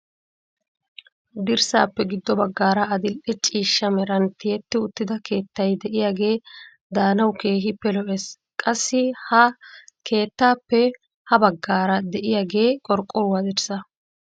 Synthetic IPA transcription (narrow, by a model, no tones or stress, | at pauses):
d̪ɪɾsa̰ːpːɛɡɪd̪ːɔbɐɡːaːɾɐɐd̪ɪlʔɛt͡ʃʼiːʃːɐmɛɾɐnt̪ɪjɛt̪ːɪʊt̪ːɪd̪ɐke̞ːt̪ːɐjd̪ɛʔɪjaːɡe̞ː | d̪aːnɐwke̞ːɦɪpːɛlɔʔes | kʼɐsːɪhɐkʰe̞ːt̪ːaːpːɛ | hɐbɐɡːaːɾɐd̪ɛʔɪjaːɡe̞ːkʼɔɾkʼːɔɾʊwad̪ɪɾsɐ